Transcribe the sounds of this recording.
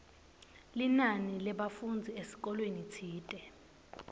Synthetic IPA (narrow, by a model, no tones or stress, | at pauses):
linanilɛɓafund͡zʱiesi̥k̬ɔlwenit͡sʰiːtʼɛ